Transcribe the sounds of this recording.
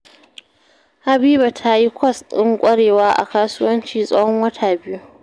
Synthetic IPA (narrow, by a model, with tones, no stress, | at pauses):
ha˨biː˦ba˨tʰa˦ji˦kʷɔ˦sɪ˦ŋkʷʼɐ˦ɽeː˨waː˦ʔa̰˨kaː˦sʊ˦wɐ˦nt͡ʃiː˨sʼɐ˦hɔ˦ŋwɐ˦tʰa˨bɪ˦ju˦